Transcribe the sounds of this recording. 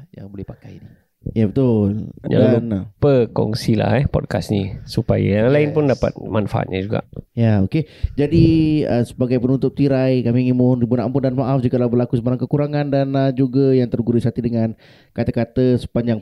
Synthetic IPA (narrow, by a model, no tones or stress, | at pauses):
ja̰ŋbolɛhpakajdi | jabət̪ʊlɲa̰danpəkɔ̰ŋsila̰hɛpɔ̰t̚ka̰snisupa̰jalaɪnpʊndapa̰t̪̚manfaʔa̰t̪̚ɲad͡ʒuɡa̰ʔjaoked͡ʒadiə̰sə̥baɡajpənunt̪ʊp̚t̪iɾajkamiŋimʊndibunaʔanpʊndanmaʔafd͡ʒikalawbəlakusəbaɾaŋkəkuɾaŋandanad͡ʒuɡajaŋt̪ərɡuɾisat̪idəŋan | kat̪akat̪əsə̥paɲd͡ʒaŋ